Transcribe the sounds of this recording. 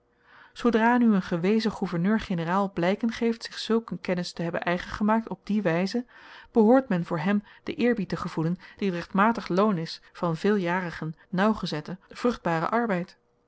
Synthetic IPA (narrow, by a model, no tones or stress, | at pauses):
zowdraːnyənχəʋejzəχuvəɹnøːɹχenəraːlˠblɛjkənχejftsɪχsɵlˠkənkɛnɪstəɦɛbə̰nʔɛjχənχəmaːk̚tɔb̚diʋɛjzəb̥əɦʊːɹtmɛnvʊːɹɦɛmd̥əʔɪːɹbitəχəv̥ulənd̥iətrɛχtmaːtəχlownɪsfɑnvɪːlˠjaːrəχən | nɑwχəzɛtəv̥rɵχd̚baːrə̰ʔɑɹbɛjt